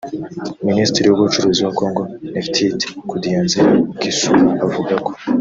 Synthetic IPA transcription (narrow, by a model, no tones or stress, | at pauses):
ministɾiɾiwuβut͡ʃuɾuːziwako̞ːŋɡoeftʰitikudjeːnzeɡisuavuɡako̞̥